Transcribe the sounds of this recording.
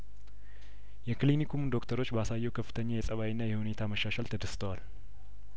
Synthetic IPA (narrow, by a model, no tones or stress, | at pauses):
jɛkɨlinikʰumnd̪o̞kt̪ʰəɾo̞t͡ʃːbasajːɛwkʰəfːɨ̥t̪ʰəɲːajɛsʼəβawinːajɛhune̞t̪ʰaməʃːaʃalt̪ʰəd̪əst̪ʰəwal